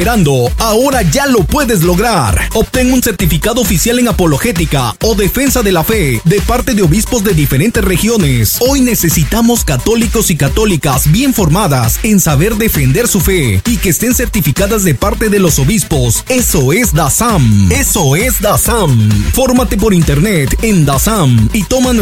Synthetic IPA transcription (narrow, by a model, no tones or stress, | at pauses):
eɾand̪o̞ao̞ɾaʝalo̞pwe̞ðe̞z̬lo̞ɣɾaɾo̞p̚t̪e̞ŋunse̞ɾt̪ifikaðo̞ofisjale̞ŋapo̞lo̞xe̞t̪ika̰o̞ðe̞fe̞nsaðe̞lafe̞ðe̞paɾt̪e̞ðeo̞βispo̞zd̪e̞ðife̞ɾe̞nt̪e̞sre̞xjo̞ne̞so̞jne̞se̞sit̪amo̞skat̪o̞liko̞sikat̪o̞likazbje̞ɱfo̞ɾmaðase̞nsaβe̞ɾðe̞fe̞nd̪e̞ɾsufe̞ikeːst̪e̞nse̞ɾt̪ifikaðazðe̞paɾt̪e̞ðe̞lo̞so̞βispo̞seso̞e̞zd̪asamesoezd̪asamfo̞ɾmat̪e̞p̬o̞ɾint̪eɾnet̪end̪asamit̪o̞man